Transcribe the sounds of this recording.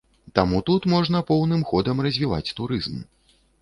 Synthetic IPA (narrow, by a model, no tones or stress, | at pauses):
t̪amut̪ut̪mɔʐnɐpɔwnɨmxɔd̪ɐmrɐzʲvʲiva̰t͡sʲt̪uɾɨzm